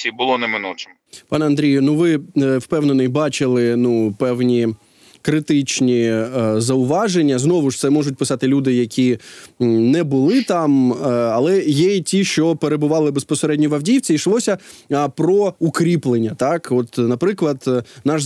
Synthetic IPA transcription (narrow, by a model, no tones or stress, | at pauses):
sʲibʊlˠɔnɛmɪnut͡ʃɪm | pɑnɐnd̪ɾʲijʊnuʋɪwpɛwnenɔjbɑt͡ʃɪlˠɪnupɛwnʲi | kɾɪt̪ɪt͡ʃnʲizɐʊʋɑʒenʲːɐznɔʋʊʂt̪sɛmɔʐʊtʲpɪsɑt̪ɪlʲud̪ɪjɐkʲʰi | nɛbʊlˠɪt̪ɑmɐlˠɛjɛitʲiʃt͡ʃɔpeɾebʊʋɑlˠɪbespɔseɾɛdʲnʲiʋɐwdʲiwt͡sʲiiʃlˠɔsʲɐɐpɾɔukɾʲiplˠenʲːɐt̪ɑkɔt̪nɐpɾɪklˠɐd̪nɑʃ